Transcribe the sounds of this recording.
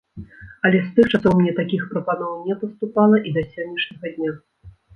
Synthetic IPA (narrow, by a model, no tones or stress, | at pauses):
ɐlʲɛst̪ɨxt͡ʂasɔwmʲnʲɛt̪akʲixpɾɐpanɔwnʲɛpɐst̪upalˠɐʔid̪ɐsʲɔnʲːiʂnʲɐɣɐd̪ʲnʲa